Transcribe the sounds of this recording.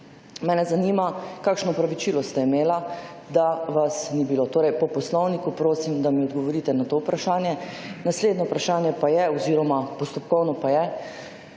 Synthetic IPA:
mɛːnɛzaniːmakaːkʃnɔɔpɾaʋit͡ʃiːlɔst̪ɛimeːla | d̪aʋasnibiloːt̪oːɾɛjpɔpɔslɔwnikupɾoːsimd̪amiɔd̪ɡɔʋɔɾiːt̪ɛnat̪oːwpɾaʃaːnjɛ | nasleːd̪nɔupɾaʃaːnjɛpajɛɔziːɾɔmapɔst̪ɔpkɔwnɔpajɛ

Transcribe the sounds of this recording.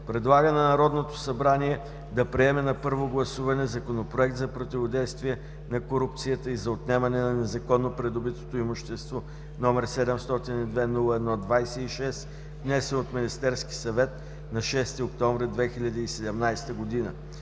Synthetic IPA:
pɾɛd̪lˠaɡənɐnɐɾɔd̪not̪o̥sɐbɾaniɛ | d̪ɐpɾiɛmɛnɐpɤɾvoɡlˠɐsuvɐnɛzɐkonopɾoɛk̚t̪zɐpɾot̪ivod̪ɛjst̪viɛ | nɐkoɾup̚t̪sijət̪əizɐot̪nɛmɐnɛnɐnɛzɐkɔnːopɾɛd̪obit̪o̥t̪oimoʃt̪ɛst̪vo | nɔmɛɾsɛd̪ɛmst̪ɔt̪inid̪vɛnulˠəɛd̪nɔd̪vajsɛiʃɛs | vnɛsɛnot̪minʲist̪ɛɾski̥sɐvɛt̪ | nɐʃɛst̪iok̚t̪ɔɱvɾid̪vɛxiʎʲɐd̪əisɛd̪ɛmnajst̪əɡod̪inə̰

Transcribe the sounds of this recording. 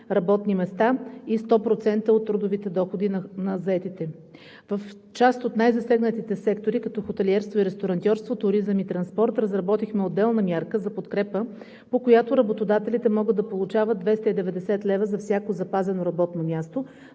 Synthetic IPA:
ɾɐbɔt̪nimɛst̪aist̪ɔpɾot̪sɛnt̪əot̪ːɾud̪ovit̪ɛd̪ɔxod̪innɐzɐɛt̪it̪ɛ | vəf | t͡ʃast̪ot̪najzɐsɛɡnət̪it̪ɛsɛkt̪oɾikɐt̪ɔxot̪ɛliɛɾst̪voiɾɛst̪oɾɐnt̪ʲɔɾst̪vot̪ʊɾizəmit̪ɾɐnspɔɾt̪ɾəzɾɐbɔt̪ixmɛod̪ːɛlˠnɐmʲjaɾkəzɐpot̪kɾɛpə | pokojat̪oɾɐbot̪od̪at̪ɛlit̪ɛmɔɡəd̪ɐpolˠut͡ʃavəd̪d̪vɛst̪əid̪ɛvɛd̪ɛsɛt̪lɛvəzɐfsʲjakozɐpazɛnoɾɐbɔt̪nomʲjast̪o

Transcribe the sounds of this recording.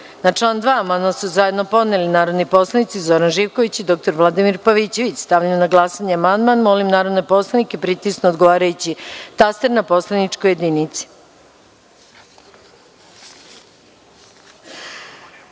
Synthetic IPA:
nat͡ʂlˠaːnd̪ʋaːamand̪masuzajed̪no̞po̞d̪nelinaːɾo̞d̪nipo̞slˠanit̪sizo̞ɾanʒiːʋko̞ʋit͡ɕid̪o̞k̚t̪o̞ɾʋlˠad̪imiɾpaʋit͡ɕe̞ʋit͡ɕst̪aʋʎajnaɡlˠasaɲeamand̪manmo̞limnaːɾo̞d̪nopo̞slˠanikepɾit̪isnood̪ɡoʋaːɾajut͡ɕit̪ast̪eɾnapo̞slanit͡ʂkoje̞d̪init̪si̥

